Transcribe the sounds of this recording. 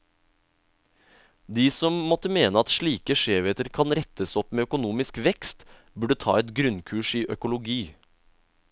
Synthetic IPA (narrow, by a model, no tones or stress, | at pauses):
d̪iːsɔmmɔt̪əmeːnəɑt̪ʃɭiːkəʃeːʋeːt̪əɾkʰɑnɾɛt̪ʰəsɔpmeːœkʊnuːmɪskʋɛkst̪ | bʉɖət̪ʰɑ̰ːɛt̪ɡɾʉnkʰʉːʃiːʔœkʊlʊɡiː